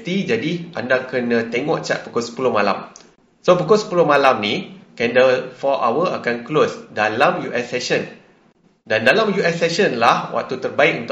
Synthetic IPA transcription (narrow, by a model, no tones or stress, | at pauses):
t̪id͡ʒadiʔa̰ndakənãt̪eŋɔʔt͡ʃa̰ʔ̪̚pukosə̥pulohmala̰m | sopukɔsə̥pulohmalamnikɛndəfɔʔa̰wəakanklosdalamjuʔɛsːɛʃən | dandalamjuʔɛsːɛʃənlahwʔa̰ʔ̚t̪ːut̪ərbaikunt̪u